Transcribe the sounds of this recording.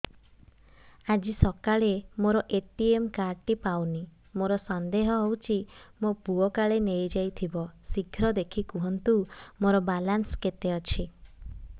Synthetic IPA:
ad͡ʒisɔkaɭemoɾɔʔeʈiemkaɾʈipawni | moɾɔsɔnd̪eɦɔɦowt͡ʃʰimopuɔkaɭenejd͡ʒajt̪ʰibɔsiɡʱʰɾɔd̪ekʰikuɦɔnt̪umoɾɔbalansket̪eɔt͡ʃʰi

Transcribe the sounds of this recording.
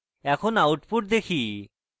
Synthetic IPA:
ɛkʰonawʈpuʈ̚d̪ekʰi

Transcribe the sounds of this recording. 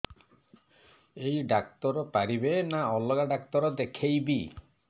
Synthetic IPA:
ejɖakt̪ɔɾɔpaɾibenaɔlɔɡaɖak̚t̪ɔɾɔd̪ekʰejbi

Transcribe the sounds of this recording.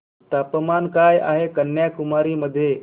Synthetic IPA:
t̪apəmankajʔa̰ɦekənːjakumaɾiːməd̪ʱːje

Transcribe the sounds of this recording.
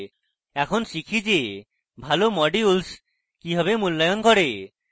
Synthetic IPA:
ɛkʰonʃikʰid͡ʒe | bʱalomɔɖiuls | kiɦɔβemulːajonkɔɾe

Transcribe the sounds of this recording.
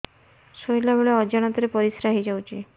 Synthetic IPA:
sojlabeɭeɔd͡ʒaɽ̃ɔt̪ɔɾepɔɾisɾaɦid͡ʒawt͡ʃʰi

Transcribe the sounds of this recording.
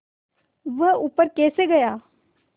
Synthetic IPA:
ʋɐɦupəɾkɛːseɡɐjaː

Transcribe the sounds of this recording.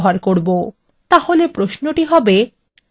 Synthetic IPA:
ɦaɾkoɾbo | t̪aholepɾosnoʈiɦɔbe

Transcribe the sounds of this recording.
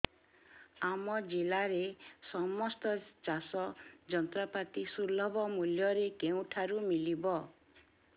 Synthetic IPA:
amɔd͡ʒilaɾesɔmɔst̪ɔt͡ʃasɔd͡ʒɔnt̪ɾɔpat̪isulɔbʱɔmuljɔɾekew̃ʈʰaɾumilibɔ

